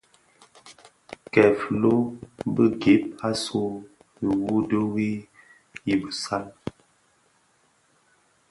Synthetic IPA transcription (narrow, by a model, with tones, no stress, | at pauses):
kɛ˨flo˦bə˦ɡe˨˦p̚a˦so˦ | i˨wu˦də˦wi˦ | ji˦bə˨sa˦l